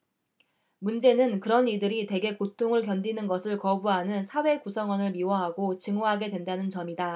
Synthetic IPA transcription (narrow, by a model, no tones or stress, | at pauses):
mund͡ʑe̞nɯnkɯɾʌnidɯɾite̞ɡe̞kotʰoŋɯɭkjʌndinɯnɡʌsʰɯɭkʌbuɦanɯnsʰawe̞kusʰʌŋwʌnɯɭmiwʌɦaɡot͡ɕɯŋoɦaɡe̞dwe̞ndanɯnt͡ɕʌmida